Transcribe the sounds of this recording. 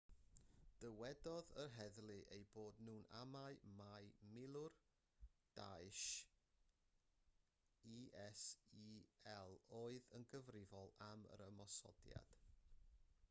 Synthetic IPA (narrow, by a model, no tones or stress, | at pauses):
d̥əwɛdɔðərɦɛðlˠɨʔejboːdnuːna̰maɨmajmɪlˠʊr | d̥a̰jʃ | iːʔɛsiɛlˠoːɨðənɡəvrɪvɔlˠamə̰ɾəmɔsɔ̰dja̰d̥